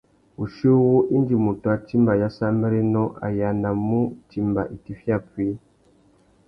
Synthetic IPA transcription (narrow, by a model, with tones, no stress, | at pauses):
u˨ʃi˦wu˦ʔi˦nd͡ʒi˨mu˨tu˨a˦ti˦mba˨ja˦sa˦mbi˦ɾe˦nɔ˦ʔa̰˨ja˨na˨mu˦ti˦mba˨ʔi˨ti˦fja˦˨pi˦